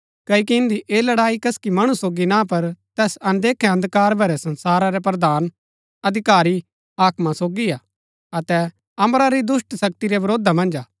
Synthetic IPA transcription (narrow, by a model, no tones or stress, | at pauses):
kɐikiɪ̃nd̪iʔeːlɐɽaːikɐskimɐɽ̃usoːɡinãpɐɾt̪ɛːsɐ̃nd̪eːkʰɛɐ̃nd̪kaːɾbʱɐɾɛsɐ̃nsaːɾaɾɛp̬ɾɐd̪aːn | ɐd̪ʱɪkaːɾi | aːkmasoːɡiaː | ɐt̪ɛ | ɐmɾaɾid̪ʊsʈsɐk̚t̪iɾɛʋɐɾoːd̪ʱamɐ̃nd͡ʒaː